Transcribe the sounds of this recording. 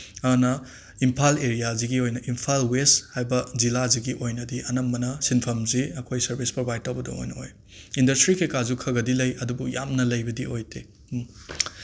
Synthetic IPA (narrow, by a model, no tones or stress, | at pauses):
ɐnɐ | impʰaleɾijaziɡiojnɐʔimpʰalweshajbɐzilaziɡiʔojnɐdiʔɐnɐmːɐnɐsinpʰɐmziɐkʰojsɐɾbʱispɾobʱajd̚tɐwbɐdɐ̰o̰jnɐoj | indɐstɾikʰekazukʰɐɡɐdilɐjɐdubuja̰mnɐlɐjbɐdiojte